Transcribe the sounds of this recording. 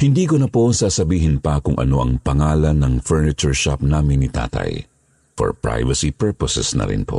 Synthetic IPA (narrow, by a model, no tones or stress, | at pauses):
hɪnd̪iːkonɐpo̞saːsɐbiːɦɪnpɐkʊŋʔɐ̰no̞ʔɐŋpɐŋaːlɐnːɐŋfɛɹnɪt͡ʃʊɹʃap̚naːmɪnːit̪a̰ːt̪ɐ̰j | fo̰ɹpɹa̰jvɐsipɛɹposɛsnɐ̰ɾɪ̰npo̞̰ʔ